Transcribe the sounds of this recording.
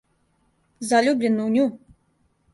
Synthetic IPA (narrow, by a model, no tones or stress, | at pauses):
zalʲublʲɪnːunʲu